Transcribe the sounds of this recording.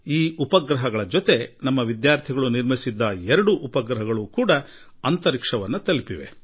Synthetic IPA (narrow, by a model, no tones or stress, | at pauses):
iːupɐɡɾɐɦɐɡɐɭɐd͡ʒot̪e̞nɐmːɐʋid̪jaːɾt̪ʰiɡɐɭuniɾmisid̪ːɐɛɾɐɽuʔupɐɡɾɐɦɐɡɐɭukuːɽɐ | ɐnt̪ɐɾikʂɐʋɐnːut̪ɐlipiʋe̞̰